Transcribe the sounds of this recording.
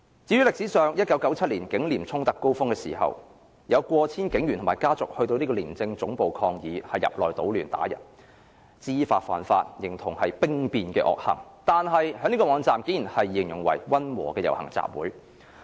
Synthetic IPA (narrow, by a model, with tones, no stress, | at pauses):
t͡siː˨˧˥ɥyː˨˥lɪ˨ksi˨˥sœː˨˩ŋjɐ˥t̚kɐ˨˥wkɐ˨˧˥wt͡sʰɐ˥t̚liː˨˩nkɪ˨˥ŋliː˨˩mt͡sʰʊ˥ŋt̪ɐ˨kːo˥wfʊ˥ŋkɛː˧siː˨˩ɦɐ̰˨w | jɐ˨˧wkʷɔː˧t͡sʰiː˥nkɪ˨˥ŋjyː˨˩nt̪ʰmː˨˩jkaː˥t͡sʊ˨k̚hɵ˧ɥt̪o˧wniː˥kɔ˧liː˨˩nt͡sɪ˧ŋt͡sʊ˨˥ŋpo˨wkʰɔː˧ŋjiː˨˧hɐ˨jːɐ̰˨p̚lɔː˨jt̪o̰˨˥wlyː˨˩nt̪a̰ː˨˥jɐ̰˨˩t̚ | t͡siː˥faː˧t̚fa̰ː˨˩nfaː˧t̚jɪ˨˩ŋt̪ʰʊ˨˩ŋhɐ˨jpɪ˥ŋpiː˧nkɛ̰ː˧ʔɔ̰ː˨k̚hɐ̰˨˩ŋt̪aː˨nɦɐ˨jɦœː˨˧˥ŋniː˥kɔː˧mɔː˨˧ŋt͡saː˨mke˨˧˥jnhɐ˨jːɪ˨˩ŋjɪ˨˩ŋwɐ̰˨˩jwɐ˥nwɔ̰ː˨˩kɛː˧jɐ̰˨˩whɐ˨˩ŋt͡sa̰ː˨p̚wṵː˨˥j